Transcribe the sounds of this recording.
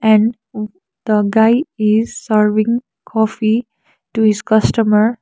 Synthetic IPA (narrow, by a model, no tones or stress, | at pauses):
ɛ̃ɳɖ | d̪̥əɡaɪɪzsəɾʋɪ̃ŋ | kʰɔːfi | ʈuhɪzkʌsʈəməɾ